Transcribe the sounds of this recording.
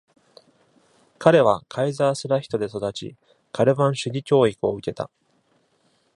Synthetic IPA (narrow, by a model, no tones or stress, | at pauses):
kaɾe̞β̞akʰaizaːsɨɾaçʲi̥t̪o̞d̪e̞so̞d̪at͡ɕḭ | kʰaɾɯ̟bãɰ̃ɕɨɡʲikʲo̞ːikɯ̟o̞ɯ̟ke̞t̪a̰